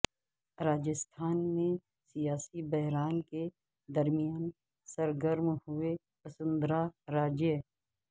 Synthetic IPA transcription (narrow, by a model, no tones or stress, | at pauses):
ɾaːd͡ʒəst̪ʰaːnmẽ | sijaːsibəɦɾaːnke | d̪əɾmijaːn | səɾɡəɾmhʊe | pəsə̃nd̪ɾaɾaːd͡ʒje